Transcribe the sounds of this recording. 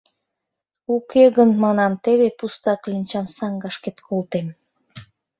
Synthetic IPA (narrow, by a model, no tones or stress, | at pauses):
ukeɣənmɑnɑmt̪eβepust̪ɑklinʲt͡ɕɑmsɑŋɡɑʃket̪kʰolt̪em